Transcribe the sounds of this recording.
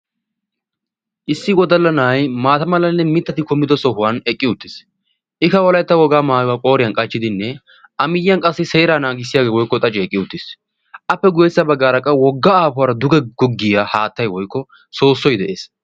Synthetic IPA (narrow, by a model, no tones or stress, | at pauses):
ʔɪsːɪɡɔd̪ɐlːɐnajmaːt̪ɐmɐlɐnːɛmɪt̪ːɐt̪ɪkɔmːɪd̪ɔsɔɦʊwanɛkʼːɪʊt̪ːɪs | ʔɪkɐwɔlɐjt̪ːɐwɔɡaːmaːjʊwaːkʼo̞ːɾɪjɐnkʼɐt͡ʃːɪd̪ɪnːɛ | ʔɐmɪjɪjɐnkʼɐsːɪseːɾaːnaːɡɪsːɪjaːɡeːwɔjkːɔt̪ʼɐt͡ʃʼɛɛkʼːɪʊt̪ːɪs | ʔɐpːɛɡʊjɛsːɐbɐɡːaːɾɐkʼːɐwɔɡːaaːpʊwaːɾɐd̪ʊɡɛɡɔɡːɪjahaːt̪ːɐjwɔjkːɔ | so̞ːsːɔjd̪ɛʔeːs